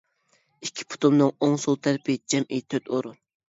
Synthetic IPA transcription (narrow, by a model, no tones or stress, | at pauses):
ikʲʰːi̥pʰʊ̥t̪umnɨŋoŋsulˠt̪ʰɛɾɪpʰɪd͡ʒɛmʔit̪ʰøt̪oɾun